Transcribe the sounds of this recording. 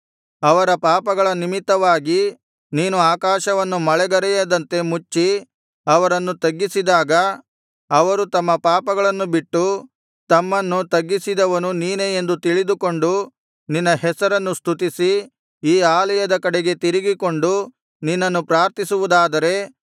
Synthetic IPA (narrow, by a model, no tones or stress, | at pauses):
ɐʋɐɾɐpaːpɐɡɐɭɐnimit̪ːɐʋaːɡi | niːnuaːkaːʃɐʋɐnːumɐɭɛɡɐɾɛjɐd̪ɐnt̪e̞mut͡ʃːi | ɐʋɐɾɐnːut̪ɐɡːisid̪aːɡɐː | ʋɐɾut̪ɐmːɐpaːpɐɡɐɭɐnːubiʈːu | t̪ɐmːɐnːut̪ɐɡːisid̪ɐʋɐnuniːneend̪ut̪iɭid̪uko̞ɳɖu | ninːɐɦɛsɐɾɐnːust̪ʰut̪̬isi | iːaːlɐjɐd̪ɐkɐɽeɡe̞t̪iɾiɡiko̞ɳɖu | ninːɐnːupɾaːɾt̪isuʋud̪aːd̪ɐɾe̞